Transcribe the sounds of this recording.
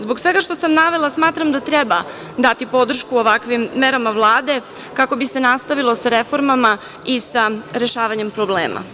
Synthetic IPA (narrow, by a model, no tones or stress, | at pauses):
zbo̞ksʋeɡaʃt̪o̞samnaʋe̞lˠasmaːt̪ɾamd̪at̪ɾeba̰ | d̪at̪ipo̞d̪r̩ʃkuoʋakʋimːeɾamaʋlˠaːd̪e̞ | kako̞bise̞nast̪aʋilˠo̞saɾefo̞ɾmama | isaɾe̞ʃaːʋaɲempɾobleːma̰